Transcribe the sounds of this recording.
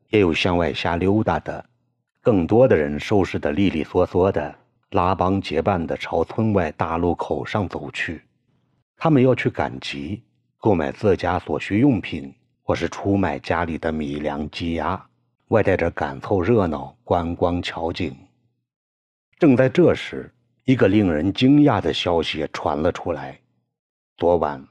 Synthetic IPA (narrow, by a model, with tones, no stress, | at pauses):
jɛ˧˥jo˨˩ʊɕjɑ˥ŋwa˥˩ɪɕja˥ljo˥ʊt̪a˥˩d̪ə̰˩ | kɤ˥˩ŋt̪wɔ˥d̪ə˨ɻə˧˥nʂo˥ʊʂɻ̩˥˩d̪ə˩li˥˧li˥˩swɔ˧˩swɔ˧˥˩d̪ə˩ | la˥pɑ˥ŋt͡ɕjɛ˧˥pa˥˩nd̪ə˩ʈ͡ʂʰɑ˧˥ʊt͡sʰwə˥nwa˥˧ɪt̪a˥˧lu˥˩kʰo˨˩ʊʂɑ˥˩ŋt͡so˨˩ʊt͡ɕʰy˥˩ | t̪ʰa˥mə˨njɑ˥˧ʊt͡ɕʰy˥˩ka̰˨˩nt͡ɕi˧˥ | ko˥˩ʊma̰˨˩ɪt͡sɹ̩˥˩t͡ɕja˥swɔ˨˩ɕy˥jʊ˥˩ŋpʰi˨˩n | xwɔ˥˧˩ʂɻ̩˥˩ʈ͡ʂʰu˥ma˨˩ɪt͡ɕja˥li˨˩d̪ə˦mi˨˩ljɑ˧˥ŋt͡ɕi˥ja˥ | wa˥˧ɪt̪a˥˩ɪʈ͡ʂə˧˥ka̰˨˩nt͡sʰo˥˧ʊɻɤ˥˩nɑ˥˩ʊkwa˥nkwɑ˥ŋt͡ɕʰjɑ˧˥ʊt͡ɕi˨˩n | ʈ͡ʂɤ˥˧ŋt͡sa˥˧ɪʈ͡ʂɤ˥˩ʂɻ̩˧˥ | i˧˥ɡə˧li˥˩ŋɻə˧˥nt͡ɕi˥ŋja˥˩d̪ə˩ɕjɑ˥ʊɕi˨ɛ˩ʈ͡ʂʰwa̰˧˥nlə˧ʈ͡ʂʰu˥la˧˥ɪ | t͡swɔ˧˥wa̰˧˥n